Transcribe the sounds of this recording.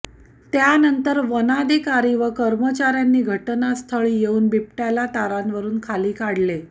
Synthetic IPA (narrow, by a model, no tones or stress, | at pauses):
t̪janənt̪əɾʋənad̪ʱikaɾiːʋəkəɾmət͡ɕaɾjanːiːɡʱəʈnast̪ʰəɭiːjeuːnbip̚ʈalat̪aɾanʋəɾuːnkʰaliːkaɽle